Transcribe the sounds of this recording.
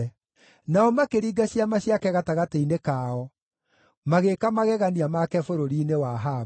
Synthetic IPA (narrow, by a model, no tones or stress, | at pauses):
naɔmakeɾiːɡaɕjamaɕiakɛɣataɣateinekaːɔ | maɣekamaɣɛɣaniamakɛfoɾoɾiːnewaɦa